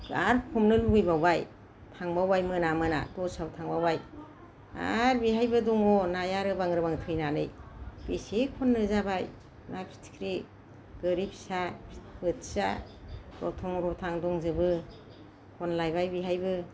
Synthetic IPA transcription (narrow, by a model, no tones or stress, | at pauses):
kaɾkʰɔmnɯluɡɯjbawbaj | tʰaŋbawajmɯnamɯna̰dɔsawtʰaŋbawaj | a̰ɾbiɦajbɯdɔŋɔnajaɾɯbaŋɾɯbaŋtʰɯjnanɯjb̥isekʰɔnːɯzabaj | napʰi̥tʰi̥kʰɾi | ɡ̥ɯɾipʰi̥sabɯtʰsa̰ | ɾɔ̰tʰɔŋɾɔtʰaŋdɔŋzɯbɯ | kʰɔnlajbajbiɦajbɯ